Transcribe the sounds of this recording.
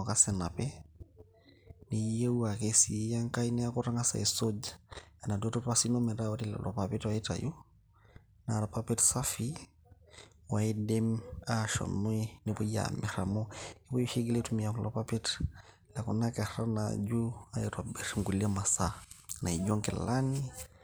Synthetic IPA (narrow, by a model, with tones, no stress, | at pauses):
ɔ˨ka˦sɛ˨na˨pɛ˦ | ni˨˦je˦u˦a˨kesi˨˦ja˦ŋka˦i˦ni˦a˦ko˦ɾa˦ŋa˦sa̰˨e˨so˦d͡ʒaa˨na˨do˦to˦ta˦si˦no˦mɛ˨da˦o˦ɾi˦la̰˨lʔɔ̰˨pape˦twa˦i˦ta̰˨jo˦ | na˨ɾa˨pa˦pe˦tsa˦fi˦ | waɛdɛma˦ʃɔ̰˨nu˦ɛ˦ni˨pɔ˦ia̰mi˨ɾamɔni˦pɔ˦juʃi˦ɡi˦lɛtumi˨aklɔpapɛ˦t | la˨ku˨naka˨ɾa˦na̰d͡ʒu˦a˦ɛtwabɛɾiŋɡu˨li˦ama˨sana˨i˨d͡ʒɔ˦ŋkɛl̰la˦ni